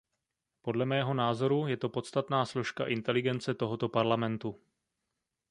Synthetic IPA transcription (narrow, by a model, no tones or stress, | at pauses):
po̞dlɛmɛːɦo̞naːzo̞ɾujɛt̪o̞po̞t̪st̪at̪naːslo̞ʃkaʔɪnt̪ɛlɪɡɛnt͡sɛt̪o̞ɦo̞t̪o̞paɾlamɛnt̪u